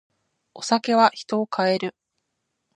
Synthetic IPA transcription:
o̞sake̞βaçi̥t̪o̞ːkʰae̞ɾɯ̟

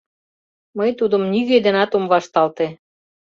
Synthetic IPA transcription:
məjt̪ud̪ə̆mniɣed̪ĕnɑt̪omβɑʃt̪ɑlt̪e

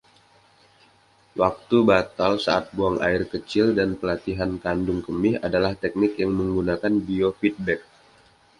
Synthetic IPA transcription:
wak̚t̪ubat̪alsaat̪̚buaŋʔa̰ɪrkət͡ʃɪldanpəlat̪iɦankandʊŋkəmɪɦadalaht̪ɛk̚nɪkjaŋməŋɡunakanbiofit̪̚bɛk̚

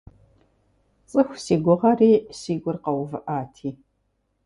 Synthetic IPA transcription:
t͡sʼɨxʷsiːɡʷʊʁɐriːsiːɡʷʊrqɐwvɨʔaːtʰiː

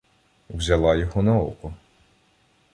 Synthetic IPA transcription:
wzʲɐlˠɑjɔɦɔnɐṵkʊ

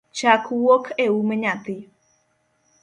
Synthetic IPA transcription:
t͡ʃakʰuwokʰeumeɲat̪i

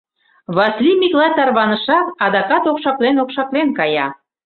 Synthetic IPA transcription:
βɑslimʲiklɑjt̪ɑrβɑnəʃɑkɑd̪ɑkɑt̪okʃɑklenokʃɑklenkɑjɑ̰

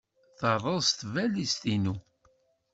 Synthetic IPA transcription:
θəɾˤəðˤst̪vælist̪inu

